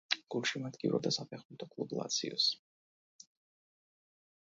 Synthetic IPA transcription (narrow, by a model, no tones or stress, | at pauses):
ɡ̥ulˠʃimad̪ɡʼḭvɾɔd̪asapʰɛχmut̪ʰɔkʼlˠublˠa̰t̪sʰḭɔ̰s